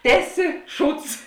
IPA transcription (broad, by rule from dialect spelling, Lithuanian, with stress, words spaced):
ˈtʲæːˌsʲɪ ˈʃuːts